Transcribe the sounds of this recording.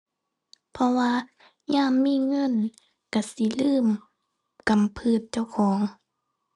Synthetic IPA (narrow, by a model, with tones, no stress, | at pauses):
pʰɔ˧waː˧ | ɲaː˧˥˨mːiː˧˥˨ŋɤ˧˥˨n | ka˧˩si˧˦lɯː˧˥˨m | ka˨mpʰɯː˧˩˨t̪̚t͡ɕa˧˩wkʰɔː˩˦ŋ